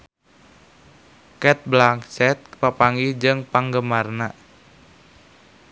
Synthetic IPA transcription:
kɛt̪̚blakt͡ʃɛt̪̚papaŋɡihd͡ʒɨŋpaŋɡəmarna

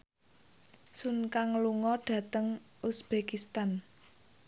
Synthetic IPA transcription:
sunkaŋluŋɔɖ̥ä̤t̪əŋusb̥ekist̪an

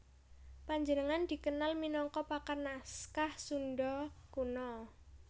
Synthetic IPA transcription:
paɲd͡ʒənəŋand̪̥i̤kənalminɔŋkɔpakarnaskahsunɖɔkunɔ

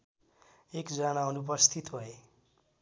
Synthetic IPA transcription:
ekd͡zʌnaunup̬ʌst̪ʰit̪bʱʌe

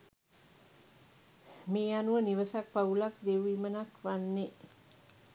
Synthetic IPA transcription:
meːanuʋəniʋəsak̚paulak̚d̪ewimənakʋanːe

